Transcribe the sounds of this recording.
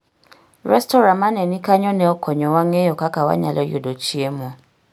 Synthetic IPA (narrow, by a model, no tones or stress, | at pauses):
ɾɛstoɾãmãnɛ̃nĩkaɲɔ̃nɛ̃ɔkʰɔɲɔ̃waŋeokakawa̰ɲã̰lɔjodot͡ʃiemũ